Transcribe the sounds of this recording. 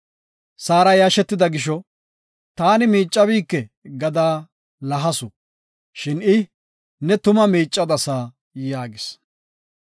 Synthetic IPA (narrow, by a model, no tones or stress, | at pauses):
saːɾɐjaːʃɛt̪ːɪd̪ɐɡɪʃ̬ɔ | t̪aːnɪmiːt͡ʃʼːɐβiːkːɛɡɐd̪aː | lɐɦɐsʊ | ʃɪnɪ | nɛt̪ʊmɐmiːt͡ʃʼːɐd̪ɐsaː | jaːɡɪs